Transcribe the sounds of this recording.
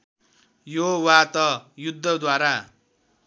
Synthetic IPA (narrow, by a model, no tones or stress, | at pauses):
jowat̪ʌjud̪ʱːʌd̪waɾa